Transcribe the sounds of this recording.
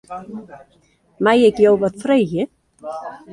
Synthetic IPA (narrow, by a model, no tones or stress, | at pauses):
maːjɛcjoːwvaðθfɾœːjjɪ